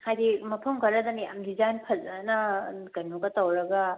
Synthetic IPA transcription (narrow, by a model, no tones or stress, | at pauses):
hajdimɐpʰɐmkʰɐɾɐd̪ɐmija̰mdizajnpʰɐzanɐkɐnuɡɐtɐwɾɐɡɐ